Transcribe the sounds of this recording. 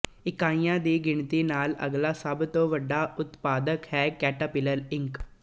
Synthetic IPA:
ɪkaːĩjãːd̪iːɡɪɳt̪iːnaːlə̰ɡlaːsəbt̪õːʋəɖaːʔʊt̪paːd̪əkhɛːkɛːʈaːpɪləɾɪŋk

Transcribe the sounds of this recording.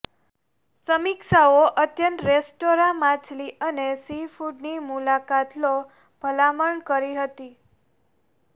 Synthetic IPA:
səmikʃaoʔət̪jənt̪ɾesʈoɾãmãt͡ʃliʔənesifuɖnimulakat̪no | b̥ʱəlaməɳkəɾiɦət̪i

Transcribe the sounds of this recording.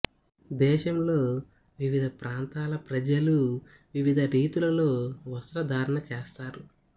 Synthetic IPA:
d̪ɛːʃɐmlo̞ː | ʋiʋid̪ʱɐpɾʔaːnt̪aːlɐpɾɐd͡ʒɐlu | ʋiʋid̪ʱɐɾiːt̪ulɐlo̞ːʋɐst̪ɾɐd̪ʱaːɾɐɳɐt͡ʃeːst̪aːɾu

